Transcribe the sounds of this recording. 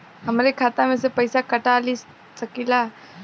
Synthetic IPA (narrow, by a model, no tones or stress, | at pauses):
ɦɐmɾekʰaːt̪amẽsepɐɪsakɐʈaːlis | sɐkilaː